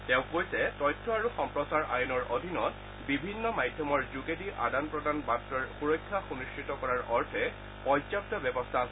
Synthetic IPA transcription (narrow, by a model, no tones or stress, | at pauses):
tẽʊ̃kojsɛtɔjtʰːɔaɹuxɔmpɹɔsaɹʔa̰junɔɹodʱinɔt | bibʱinːɔmajdʱjɔmɔɹzuɡediʔa̰danpɹɔdʱanbatɹɔɹxuɹɔjkʰːaxuniskɹitɔkɔɹaɹʔɔɹtʰɛ | pɔzap̚tɔbɛbɔstʰa